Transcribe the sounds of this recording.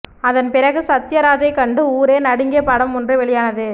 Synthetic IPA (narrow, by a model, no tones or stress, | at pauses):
ɐðɐnpɪrɐɣɯsɐt̪ːɪjɐɾaːd͡ʒɐɪkɐɳɖɯuːɾeːnɐɽɯŋɡeːpɐɽɐmɔndrɯʋɛɭɪjaːnɐðɯ